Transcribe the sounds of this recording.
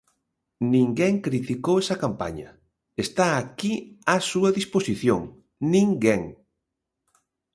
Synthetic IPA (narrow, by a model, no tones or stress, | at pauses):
nĩŋɡɛŋkɾit̪ikowɛsɐkampa̰ɲɐ̰ | est̪aːkiasuɐðisposiθjo̰ŋ | nĩŋɡeŋ